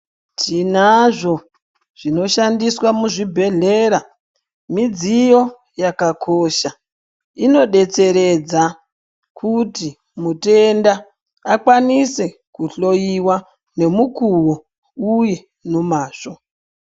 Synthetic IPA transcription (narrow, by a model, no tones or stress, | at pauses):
tʰinaʐo̞ | ʐ̥ino̞ʃandiswamuʐibʱe̞ɮe̞ːɾa | mid͡zijo̞ | jakakʰoʃa | ino̞ɗe̞t͡se̞ɾe̞d͡za | kʰuti | mute̞ndaː | kwanise̞ | kuɬo̞jiwa | ne̞mukuwo | uje̞ | nomaːʂo̞